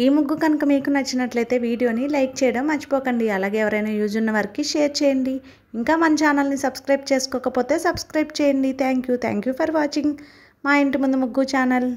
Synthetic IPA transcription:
iːmuɡːukɐnukɐmiːkunɐt͡ʃːinɐʈlɐjt̪e̞ːʋiːɽijo̞ːnilɐjk̚t͡ʃɛːjɐɽɐmːɐt͡ʃːi̥pɔːkɐɳɖiɐlaːɡeːɛʋɐɾɐjnaːjuːd͡ʒunːɐʋɐɾɐkiʃɛːɾt͡ʃɛːjɐɳɖi | iŋkaːmɐnɐt͡ʃaːnɐlnisɐbskɾɐjb̚t͡ʃeːsu̥kɔːkɐpoːt̪e̞ːsɐbskɾɐjbt͡ʃɛːjɐɳɖit̪ʰaːŋkjut̪ʰa̰ːŋkjuːpʰɐɾʋaːt͡ʃiŋɡ | maːjeɳʈimund̪umuɡːut͡ʃaːnɐl

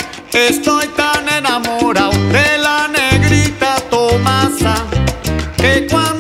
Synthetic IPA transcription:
est̪ojt̪anenamoɾawd̪elaneɣɾit̪at̪omasa | kekwa

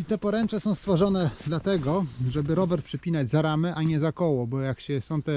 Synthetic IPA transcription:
it̪ɛpɔɾɛnt͡ʂɛsɔ̃w̃st̪fɔʐɔnɛd̪lat̪ɛɡɔʐɛbɘɾɔvɛɾpʂɘpʲinad͡ʑzaɾamɘʔaɲɛzakɔwɔbɔjakɕɛsɔ̃w̃t̪ɛ

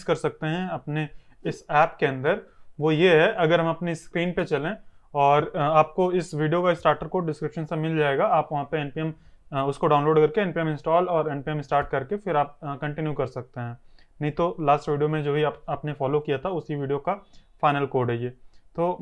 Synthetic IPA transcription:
kɐɾsɐk̚t̪eɦɛ̃ɐpne | ɪsɛːpkeɐ̃nd̪əɾʋojeɦɛʔɐɡəɾɦɐmɐpniskɾiːnpet͡ʃɐlẽɔːɾaːp̚koɪsʋiːɖijokaɪsʈaːɾʈəɾkoːɖɪskɾɪpʃənsẽmɪld͡ʒaːeːɡaaːpʋɐɦãpeɛːnpiɛmʊskoɖaːʊ̃nloːɖkɐɾkeɛːnpiɛmɪ̃nsʈɔːlɔːɾɛːnpiɛmɪsʈaːɾʈ̚kɐɾkefɪɾaːp̚kɐ̃ɳʈɪnjukɐɾsɐk̚t̪eɦɛ̃ | nɐɦĩt̪olaːsʈʋiːɖijomẽd͡ʒoːbʱiaːpaːpnefɔːlokijat̪ʰaʊsiʋiːɖijokafaːɪnəlkoːɾɖɐd͡ʒieːt̪oː

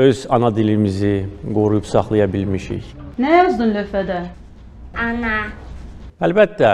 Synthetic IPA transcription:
øzɑnɑd̪ilimiziɡoɾujupsɑχlˠɑjɑbilmiʃḭçnɛjɑzd̪ɯmløfæd̪æ | ana | ælbæt̪ːæ

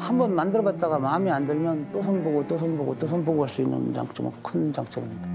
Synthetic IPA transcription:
hambʌnmandɯɾʌbat̚t͈aɣamamiandɯɭmjʌnt͈osʰʌnboɡot͈osʰɯnboɡot͈osʰɯnboɡoɦaɭs͈uinːɯ̰nd͡ʑa̰ŋt͡ɕ͈omkʰɯnd͡ʑaŋt͡ɕ͈ʰʌbiɲida

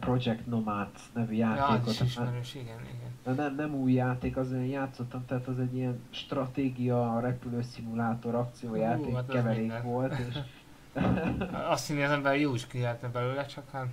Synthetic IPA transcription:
pro̞d͡ʒɛkt̪no̞maːt̪nɛvyjaːt̪eːkott̪aɾʃiɡɛnḭɡɛnɛnɛmnɛmuːjːaːt̪eːkɒzeɛjjaːt̪so̞t̪ːɒmt̪ɛɦːt̪ɛzɛɟːijɛnʃt̪rɒt̪eːɡijɒɾɛpyløːsimulaːt̪o̞ɾɒk̚t̪sijoːjaːt̪eːkːɛvɛɾeːkʋo̞lt̪eːʃ | ɒst̪sineɒzɛmbɛrjoːiʃkyzɛlɛt̪ɛbɛløːlɛt͡ʃɒkan

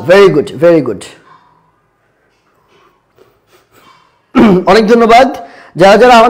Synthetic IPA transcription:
veɾiɡuɖveɾiɡuɖ | ɔnek̚d̪ʱonːobad̪ | d͡ʑaɾad͡ʑaɾaama

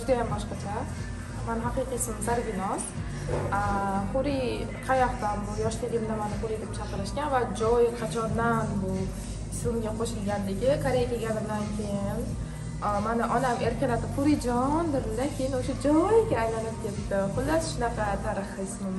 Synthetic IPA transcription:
d͡ʒʊd̪ajambɒʃqɑt͡ʃʰa | manɪɦaqɨjqɨjsɪmzaɾɡʲɪnɒs | aχʊɾi | qʰɑjaχt̪anbʊjɒʃt̪ɪɡʲɪmd̪amanɪχʊɾijd̪ep̚t͡ʃʰɑqɨɾɪʃkʲanvad͡ʒɒjqʰɑt͡ʃʰɒnd̪anbʊ | ɪslɪmɡʲaqʰoʃɪlɡʲanlɪɡʲɪkʰaɾejakʲʰeɡʲanɪmd̪ankʲʰe̞jɪn | manɪʔɒname̞ɾkʲʰanat̪ɪχʊɾid͡ʒɒnd̪ɪɾlakʲʰɪjɪnoʃad͡ʒɒjɡʲaːjlanɪp̚kʲʰet̪t̪ɪqʊlːasʃʊnɑqʰɑt̪ʰaɾɨχɨɪsmɪm

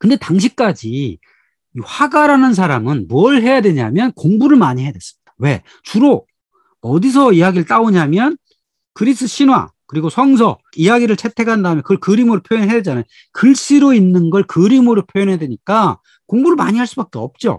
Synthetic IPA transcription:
kɯnde̞taŋɕ̬ʰik̚k͈ad͡ʑi | iɸaɡaɾanɯns̬ʰaɾamɯnmuʌɭɦe̞jadwe̞ɲa̰mjʌnkoŋbuɾɯɭmaɲiɦe̞adwe̞s͈ɯ̥mɲid̥ḁwe̞ | t͡ɕuɾo | ʌdis̬ʰʌijaɡiɾɯɭt͈aoɲamjʌn | kɯɾis͈ʰɯɕʰinwa̰kɯɾiɡosʰʌŋs̬ʰʌ | ijaɡiɾɯɭt͡ɕʰe̞tʰe̞kʰandaɦmjʌnkɯɭkɯɾimoɾɯɭpʰjojʌnɦed͡ʑana | kɯɭs͈iɾoinːɯnɡʌɭkɯɾimoɾɯɭpʰjojʌnɦedwe̞ɲik͈a | koŋbuɾɯɭma̰ɲiɦaɭs͈ubak͈e̞ʌp̚t͡ɕ͈o̰

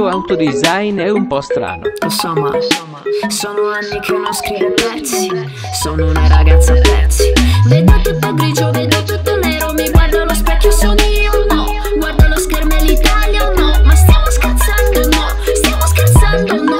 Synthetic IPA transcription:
oawt̪od̪izajnɛumpɔst̪ɾa̰ːno̰sɔmːa̰ | soːnoanːikenoskɾivemɛɾsi | soːnounaɾaɡat̪sːaɛ̰ɾsivɛd̪it̪ut̪ːopɾid͡ʒoved̪et̪ut̪ːonɛɾomeɡward̪alospɛkːjosodiɾonɔ | ɡward̪aloskeɾmelit̪aljanɔmast̪jaːmoskat̪sand̪onɔ | st̪jamoskat̪sand̪on

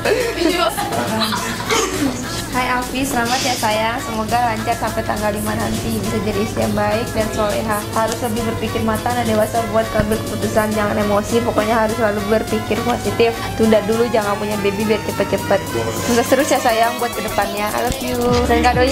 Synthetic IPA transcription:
a | hajafisəlamat̪̚jasajaŋsəmoɡaɾaɲt͡ʃarsampɛt̪aŋɡaldimanɦant̪ibisad͡ʒadiːsijaŋbaɪk̚dansoleɦahaɾʊsləbɪhbərpikɪrmat̪adandewasabuat̪̚kabɪlkə̥put̪usand͡ʒaŋanemosipokoɲaɦaɾʊslalubuarpikɪrposit̪ɪft̪undahdulud͡ʒaŋanpuɲabebibiat̪̚t͡ʃəpət̪̚t͡ʃəpət̪̚susat̪əɾʊsjasajaŋbuat̪̚kədəpanɲaʔa̰ləfjudankado

